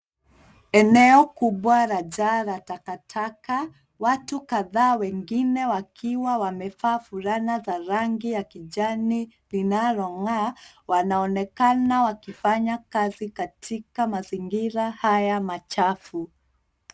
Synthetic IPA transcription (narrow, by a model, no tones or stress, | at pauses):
ɛnɛɔkuɓwaɾaʄaɾatakatʰaka | watukaðaːwɛŋɡinɛwakʰiwawamɛfaːfuɾanazaɾaŋɡijakiʄani | linaɾɔŋa | wanaɔnɛkanawakifaɲakazikatʰikamaziŋɡiɾahajamat͡ʃafu